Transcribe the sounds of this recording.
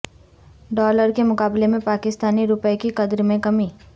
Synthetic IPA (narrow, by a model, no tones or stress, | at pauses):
ɖɔːləɾkemʊkaːblemẽpaːkɪst̪aːniɾʊpəekikɐd̪ɾmẽkɐmiː